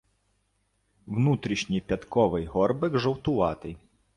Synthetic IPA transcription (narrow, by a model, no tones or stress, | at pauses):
wnut̪ɾʲiʃnʲijpʲɐt̪kɔʋɪjɦɔrbɪɡʒɔwt̪ʊʋɑt̪ɪ